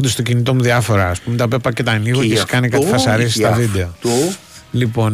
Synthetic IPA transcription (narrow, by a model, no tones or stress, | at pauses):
od̪est̪o̞cinit̪o̞muðiɐfo̞ɾɐːspumet̪ɐpepːɐcet̪ɐniɣocesi̥kɐnikɐt̪ifɐsɐɾisist̪ɐvid̪e̞o | lipo̞n